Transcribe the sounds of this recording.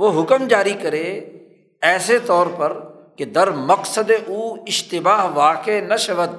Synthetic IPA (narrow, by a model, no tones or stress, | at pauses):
ʋoɦʊkəmd͡ʒaːɾikɐɾeː | ɛːset̪ɔːɾpɐɾ | ked̪ɐɾmɐqsəd̪eʔuːɪʃt̪ɪbaːɦʋaːkenɐʃɐʋət̪̚